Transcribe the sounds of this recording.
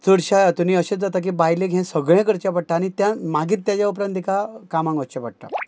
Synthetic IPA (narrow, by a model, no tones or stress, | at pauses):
t͡suɽɕajat̪uniːəɕet͡sd͡zat̪ak̬ibajlẽɡʱẽsəɡɭẽkəɾt͡ɕap̬əɽ̚ʈ̪aːɽ̃it̪jãmaɡʱiːt̪ːjat͡ɕjaupɾãnt̪ikakamãŋɡʋət͡ɕapəɽ̚ʈ̪a̰